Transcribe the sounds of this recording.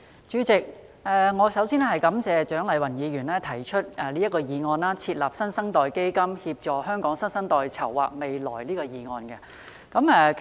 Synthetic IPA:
t͡ʃyː˨˧˥t͡sɪ˨k̚ | ʔɛː˨ŋɔː˨˧sɐ˨˥wsiː˥nɛ˥hɐ˨jkɐ˨˥mt͡sɛː˨t͡ʃœː˨˥ŋlɐ˨jwɐ˨˩njiː˨˧ɥyː˨˩nlɛː˥t̪ʰɐ˨˩jt͡ʃʰɵ˥t̚ɛ˨˧liː˥ɐ˥kɔː˧jiː˨˧ŋɔː˧naː˥t͡sʰiː˧t̚laː˨˩p̚sɐ˥nsɐ˥ŋt̪ɔː˨jke˥jkɐ˥mhi˧p̚t͡ʃɔː˨hœː˥ŋkɔː˨˥ŋsɐ˥nsɐ˥ŋt̪ɔː˨˧jt͡sʰɐ˨˩wːa̰ː˨˩k̚me˨jlɔ̰ː˨˩jliː˥kɔː˧jiː˨˧ŋɔː˧nkɛ˧ | kɐ˨˦mɛː˨˧k

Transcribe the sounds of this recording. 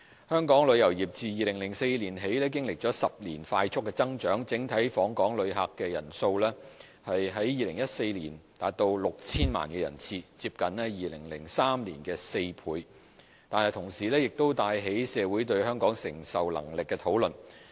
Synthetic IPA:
hœː˥ŋkɔː˨˥ŋlɵ˨˧ɥjɐ˨˩wjiː˨˩p̚t͡siː˨˧jiː˨lɪ˨˩ŋlɪ˨˩ŋse˧jliː˨˩nɦe˨˥jlɛː˥k̬ɪ˥ŋlɪ˨k̚t͡ʃɔː˨˥sɐ˨p̚lḭː˨˩nfaː˧jt͡sʰʊ˥kːɛ˧t͡sɐ˥ŋt͡ʃœː˨˥ŋt͡sɪ˨˥ŋt̪ʰɐ˨˥jfɔː˨˥ŋkɔː˨˥ŋlɵ˨˧ɥɦaː˨kːɛː˧jɐ̰˨˩nso˧wlɛ˥ | hɐ˨jɦɐ˨˥jjiː˨lɪ˨˩ŋjɐ˥t̚se˧jliː˨˩nt̪aː˨˧t̚t̪o˧wlʊ˨k̚t͡sʰiː˥nma̰ː˨˩nkɛː˧jɐ̰˨˩nt͡sʰiː˧t͡siː˧p̚kɐ˨˥nlɛː˥jiː˨lɪ̰˨˩ŋlɪ̰˨˩ŋsaː˥mliː˨˩nkɛː˧se˧jpʰuː˨˧˥j | t̪aː˨nhɐ˨jt̪ʰʊ˨˩ŋsiː˨˩lɛː˥jɪ˨k̚t̪o˥wt̪aː˧jɦe˨˥jsɛː˨˧wuː˨˥jt̪ɵ˧ɥhœː˥ŋkɔː˨˥ŋsɪ̰˨˩ŋsɐ˨˩wlɐ̰˨˩ŋlɪ˨kːɛː˧t̪ʰo˨˥wlɵ˨˩n

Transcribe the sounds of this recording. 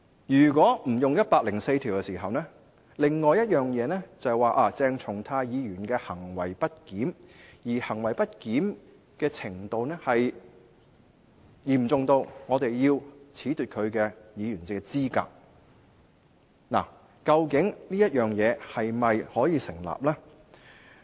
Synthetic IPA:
jyː˨˩kʷɔː˨˥m̩˨˩jʊ˨ŋjɐ˥t̚paː˧k̚lɪ˨˩ŋse˧jt̪ʰiː˨˩wkɛ˧siː˨˩ɦɐ˨wnɛ˥ | lɪ˨ŋːɔː˨˧jɐ˥t̚jœː˨ŋjɛː˨˧nɛː˥t͡sɐ˨waː˨ʔaː˨˩t͡sɛː˧ŋt͡ʃʰʊ˨˩ŋt̪ʰaː˧jjiː˨˧jyː˨˩nkɛː˧hɐ˨˩ŋwɐ˨˩jpɐ˥t̚kiː˨˥mjiː˨˩hɐ˨˩ŋwɐ˨˩jpɐ˥t̚kiː˨˥m | kɛː˧t͡sʰɪ˨˩ŋt̪o˨˧wnɛː˥hɐ˨j | jiː˨˩mt͡sʊ˨ŋt̪o˧wŋɔː˨˧t̪e˨jjiː˧wt͡sʰiː˨˥t̪yː˨t̚kʰɵ˨˧ɥkɛː˧jiː˨˧jɥyː˨˩nt͡sɪ˧˥kːɛ˧t͡siː˥ka̰ː˧k̚ | na̰ː˨˩ | kɐ˧wkɪ˨˥ŋniː˥jɐ˥t̚jœː˨ŋjɛː˨˧hɐ˨jmɐ˨jhɔː˨˥jiː˨˧sɪ˨˩ŋla̰ː˨p̚lɛː˥

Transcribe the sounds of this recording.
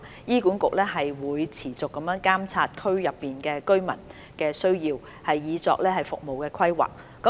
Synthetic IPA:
jiː˥kuː˨˥nkʊ˨k̚lɛː˥ɦɐ˨jwuː˨˧jt͡sʰiː˨˩t͡sʊ˨kːɐ˨˧˥mjœː˨˧˥ŋkaː˥mt͡sʰaː˧t̚kʰɵ˥ɥjɐ˨pːiː˨˩nkɛː˧kɵ˥ɥmɐ̰˨˩n | kɛː˧sɵ˥ɥjiː˧w | hɐ˨jːiː˨˧t͡sɔ̰ː˧k̚lɛː˥ɦɐ˨˩jfʊ̰˨k̚mo˨wkɛː˧kʰɐ˥jwa̰ː˨k̚ːɐ˨˦

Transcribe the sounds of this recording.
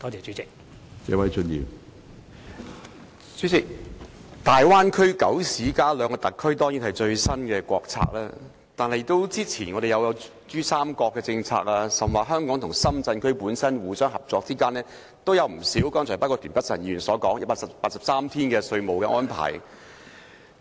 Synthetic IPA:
t̪ɔː˥t͡sʰɛː˨˩t͡ʃy˨˥t͡sɪ˨k̚ | sɛ̰ː˨˧wɐ˨˥jt͡sɵ˧njḭː˨˩m | t͡ʃy˨˥t͡sɪ˨k̚t̪aː˨jwaː˥nkʰɵ˥ɥkɐ˨˥wsiː˨˥kaː˥lœː˨˧ŋkɔː˧t̪ɐ˨kʰːɵ˥ɥt̪ɔː˥ŋji˨˥nhɐ˨jt͡ʃɵ˧ɥsɐ˥nkɛː˧kʷɔ̰ː˧k̚t͡sʰa̰ː˧k̚laː˥ | t̪aː˨˩nɦɐ˨jt̪o˥wt͡siː˥t͡sʰiː˨˩nŋɔ˨˧de˨jɐ˨˧wjɐ˨˧w | t͡ʃyː˥saː˥mkɔː˧kːɛː˧t͡sɪ˧ŋt͡sʰa̰ː˧k̚laː˧sɐ˨˩mwaː˨˩ɦœː˥ŋkɔː˨˥ŋt̪ʰʊ˨˩ŋsɐ˥mt͡sɐ˧nkʰɵ˥ɥpuː˨˥nsɐ˥nwuː˨˩sœː˥ŋɦɐ˨˩p̚t͡sɔː˧k̚t͡siː˥kaː˥nlɛː˥ | t̪o˥wjɐ˨˧wm̩˨˩siː˨˥wkɔː˥ŋt͡ʃʰɔ˨˩paː˥kɔ˧t̪ʰyː˨˩npɐ˥t̚sɐ˨˩ni˧y˨˩nsɔː˨˥kɔː˨˥ŋjɐ˥t̚paː˧sɐ˨pːaː˧t̚sɐ˨p̚saː˥mt̪ʰiː˥nkɛː˧sɵ˧ɥmo˨wkɛː˧ʔɔː˥npʰa̰ː˨˩j

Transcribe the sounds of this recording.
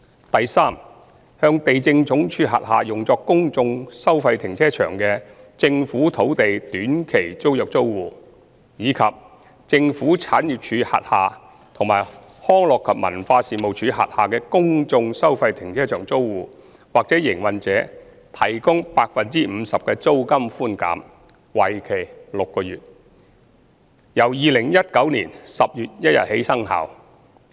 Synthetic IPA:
t̪ɐ˨jsaː˥m | hœː˧ŋt̪e˨jt͡sɪ˧ŋt͡sʊ˨˥ŋt͡ʃʰyː˧ɦa̰ː˨t̚ha̰ː˨˩jʊ˨ŋt͡sɔː˧kkːʊ˥ŋt͡sʊ˧ŋsɐ˥wfɐ˧jt̪ʰɪ˨˩ŋt͡sʰɛː˥t͡ʃʰœ̰ː˨˩ŋkɛː˧t͡sɪ˧ŋfuː˨˥t̪ʰo˨˥wt̪e˨jt̪yː˨˥nkʰe˨˩jt͡so˥wjɐ˨k̚t͡so˥wwuː˨˩ | jiː˨˧kʰɐ˨p̚ | t͡sɪ˧ŋfuː˨˥t͡sʰaː˨˥njiː˨p̚t͡ʃʰyː˨˧˥ha̰ː˨t̚haː˨˩ | t̪ʰʊ˨˩ŋma̰ː˨˩j | hɔː˥ŋlɔː˨kʰːɐ˨p̚mɐ̰˨˩nfaː˧siː˨mo˨wt͡ʃʰyː˨˧ɦa̰ː˨˩t̚haː˨kɛː˧kʊ˥ŋt͡sʊ˧ŋsɐ˥wfɐ˧jt̪ʰɪ˨˩ŋt͡sʰɛː˥t͡ʃœː˨˩ŋt͡so˥wwuː˨˧ | waː˨k̚t͡sɛː˨˥jɪ˨˩ŋwɐ˨˩nt͡sɛː˨˥ | t̪ʰɐ˨˩jkʊ˥ŋpaː˧k̚fɐ˨nt͡siː˥m̩˨˧sɐ˨p̚kɛː˧t͡so˥wkɐ˥mfuː˥nka̰ː˨˥m | wɐ˨jkʰe˨˩jlʊ˨kːɔː˧jyː˨t̚ | jɐ˨˩wjiː˨˧lɪ˨˩ŋjɐ˥t̚kɐ˨˥wniː˨˩nsɐ˨p̚jyː˨t̚jɐ˥t̚jɐ̰˨t̚he˨˥jsɐ˥ŋɦa̰ː˨˩w

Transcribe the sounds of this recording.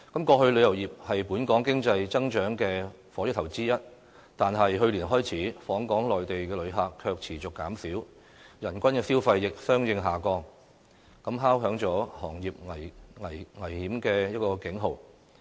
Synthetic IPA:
kɐ˨˦mkɔː˧hɵ˧ɥlɵ˨˧jɐ˨˩wjiː˨˩p̚hɐ˨jpuː˨˥nkɔː˨˥ŋkɪ˥ŋt͡sɐ˧jt͡sɐ˥ŋt͡ʃœː˨˥ŋkɛː˧ | fɔː˨˥jʏ˥t̪ʰɐ˨˩wt͡siː˥jɐ˥t̚ | t̪aː˨nɦɐ˨jɦɵ˧ɥliː˨˩nɦɔː˥jt͡sʰiː˨˥fɔː˨˥ŋkɔː˨˥ŋlɔː˨jt̪e˨jkɛː˧lɵ˨˧ɥɦaː˨˩kʰːœː˧k̚t͡sʰiː˨˩t͡sʊ˨kːaː˨˥msiː˨˥w | jɐ˨˩nkʷɐ˥nkɛː˧siː˥wfɐ˧jːɪ˨k̚sœː˥ŋjɪ˧ŋɦaː˨˩kɔː˧ŋ | kɐ˨˥mɦaː˥wɦœː˨˥ŋt͡sɔː˨˥hɔː˨˩ŋjiː˨p̚ŋɐ˨˩jŋɐ˨˩jŋɐ˨˩jhiː˨˥mkɛː˧jɐ˥t̚kɔː˧kɪ˨˥ŋɦo˨w

